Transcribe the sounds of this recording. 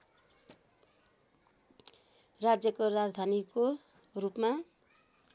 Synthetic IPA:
rad͡zjʌkorad͡zd̪ʱaniko | rupma

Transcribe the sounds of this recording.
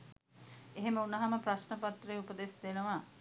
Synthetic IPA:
eɦeməunɐɦaməpraʃnəpat̪rəjupəd̪esd̪enəʋa

